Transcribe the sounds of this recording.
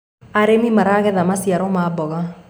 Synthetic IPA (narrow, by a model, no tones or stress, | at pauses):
aɾemimaɾaɣɛðamasjaɾɔmaːbɔɣa